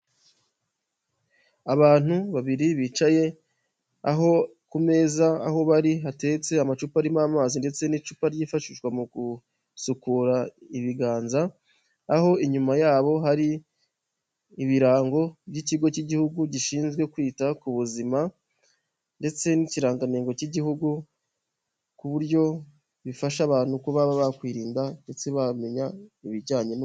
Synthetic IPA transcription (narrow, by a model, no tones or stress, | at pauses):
aβaːn̥uβaβiɾiβiːt͡ʃaje̞ | a̰ɦo̞kume̞ːzaa̰ɦo̞βaɾiɦate̞ːt͡se̞amat͡ʃuːpaɾimaːmaːzinde̞t͡se̞nit͡ʃuːpaɾɟiːfaʃiʒɡwamuɡu | sukuːɾaiβiɡaːnzaː | ɦo̞iɲumajaːβo̞ɦaɾi | βiɾaːŋɡo̞βɟiciɡo̞ciɟihuɡuɟiʃiːnzɡwe̞kwiːtakuβuzima | nde̞t͡se̞niciɾaːŋɡaneːŋɡo̞ciɟihuɡu | kuβuɾɟo̞ | βifaʃaβaːn̥hukuβaβaβakwiːɾiːndande̞t͡se̞βame̞ɲaiβiɟaːɲe̞n